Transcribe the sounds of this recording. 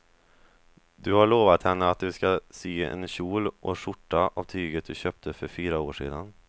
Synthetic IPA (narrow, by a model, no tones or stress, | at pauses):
d̪ɵhaɭoːvat̪hɛnːəat̪̚d̪ɵskasyːɛ̰nɕuːlʔɔʂʊʈːaʔa̰vt̪ʰyːɡət̪̚d̪ɵɕøːp̚t̪ʰəfœɾfyːɾaoːʂḛːd̪an